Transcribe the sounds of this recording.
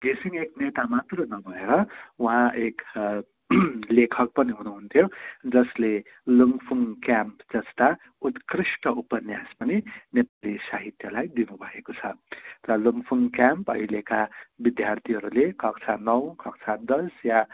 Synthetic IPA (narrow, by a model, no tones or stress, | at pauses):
ɡ̪esiŋeknet̪amat̪rʌnʌbʱʌeɾʌuɦãek | lekʰʌk̚pʌniɦunuɦunt̪ʰjod͡zʌsle | luŋɡpʰuŋkjampd͡zʌst̪a | ut̪krisʈʌupʌnjaspʌninepalisaɦit̪jʌlajd̪inubʱʌekot͡sʰʌ̰rʌluŋɡpʰuŋkjampʌɦilekabid̪jart̪ʰiɦʌɾulekʰʌk̚t͡sʰanʌwkʰʌk̚t͡sʰad̪ʌsja